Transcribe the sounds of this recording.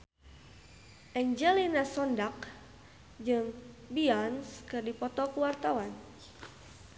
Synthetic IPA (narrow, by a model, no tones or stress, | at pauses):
ʔɛɲd͡ʒɛlinasɔndak̚ | d͡ʒɨŋbiɔnskɨrdipɔt̪ɔkuwart̪awan